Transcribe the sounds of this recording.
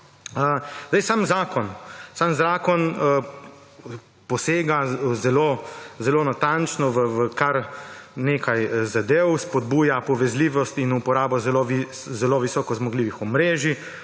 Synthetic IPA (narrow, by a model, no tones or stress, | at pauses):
əzd̪ajsamzaːkɔnsamzaːkɔnə | pɔseːɡazɛlozɛloːnat̪ant͡ʃnɔʋəʋəkaɾneːkʰajzad̪eːwspɔd̪buːjapɔʋɛzliʋɔst̪inupɔɾaːbɔzɛloʋi | zɛloʋisɔːkɔzmɔɡliːʋixɔmɾeːʒi